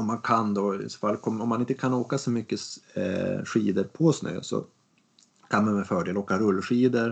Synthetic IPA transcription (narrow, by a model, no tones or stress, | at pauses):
ɔmːankʰand̪ɔɪ̰sɔ̥falːkʰɔmɔmːanɪnt̪əkʰanoːkasɔmʏkːəs | ɧiːd̪əɾpʰɔsnø̰ːsɔ̰ | kʰanmanmɛfœːɖeːloːkaɾɵlːɧiːd̪əɾ